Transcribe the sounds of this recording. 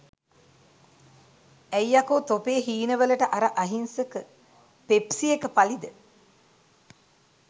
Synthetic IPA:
æjakoːt̪opeːɦiːnəʋələʈəʔaɾaʔaɦinsəkə | pepsiekəpalid̪ə

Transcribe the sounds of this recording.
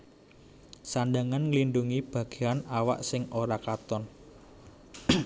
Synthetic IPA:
sandaŋanŋəlinɖuŋib̥ä̤ɡ̥e̤anawa̰ʔsɪŋoɾakat̪ɔn

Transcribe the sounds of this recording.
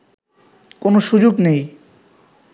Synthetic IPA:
konoʃud͡ʑoɡnej

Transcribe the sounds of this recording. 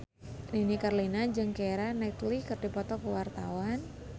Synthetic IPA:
ninikarlinad͡ʒɨŋkeɾanɛt̪likərdipɔt̪ɔkəwart̪awan

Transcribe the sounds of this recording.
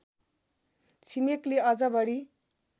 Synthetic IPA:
t͡sʰimekleʌd͡zʌbʌɽi

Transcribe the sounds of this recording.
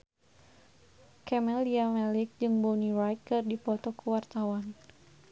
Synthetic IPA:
kɛmɛliamɛlɪk̚d͡ʒɨŋbɔnirajkɨrdipɔt̪ɔkuwart̪awan

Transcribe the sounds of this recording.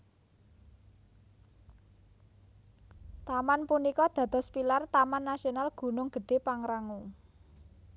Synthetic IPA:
t̪amanpunikɔd̪̥a̤d̪̥ɔ̤spilart̪amanːasionalɡ̥ṳnʊŋɡ̥ə̤ɖ̥e̤paŋɾaŋu

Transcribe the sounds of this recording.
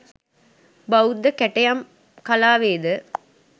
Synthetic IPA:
baud̪ːəkæʈɐjam | kalaːʋeːd̪ə

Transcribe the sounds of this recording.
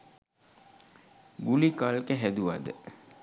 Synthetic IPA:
ɡulikalkəɦæd̪uʋa̰d̪ə̰

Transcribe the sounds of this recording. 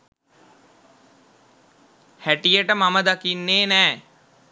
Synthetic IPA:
hæʈijəʈəmaməd̪akinːeːnɛː

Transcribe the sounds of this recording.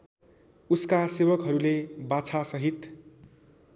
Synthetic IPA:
uskasebʌkɦʌɾulebat͡sʰasʌɦit̪

